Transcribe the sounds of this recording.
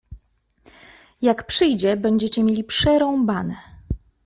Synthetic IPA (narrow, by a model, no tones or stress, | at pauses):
jakpʂɘjd͡ʑɛbɛɲd͡ʑɛt͡ɕɛmʲjelʲipʂɛɾɔ̃w̃banɛ